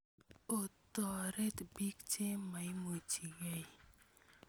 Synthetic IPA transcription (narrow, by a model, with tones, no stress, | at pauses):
o˨t̪ɔ˨ɾe˦tbi˦kt͡ʃe˦ma˨i˦mo˨t͡ʃi˨wɛ˦i˨